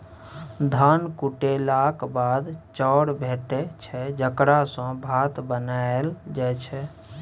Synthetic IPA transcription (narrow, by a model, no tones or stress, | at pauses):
d̪ʱankuʈelakbad̪t͡ʃɔɽbʱeʈet͡ʃʰɛd͡ʒəkɾasə̃bʱat̪bənaeld͡ʒɛt͡ʃʰɛ